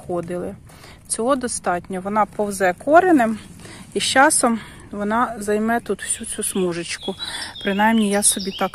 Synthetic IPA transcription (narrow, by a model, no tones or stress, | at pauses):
xɔd̪ɪlˠɪ | t͡sʲɔɦɔd̪ɔst̪ɑtʲnʲɔʋɔnɑpɔwzɛkɔɾenemiʃt͡ʃɑsɔm | ʋɔnɑzɐjmɛt̪ut̪w̥sʲut͡sʲusmuʒɪt͡ʃkʊpɾɪnɑjmnʲijasɔbʲit̪ɑk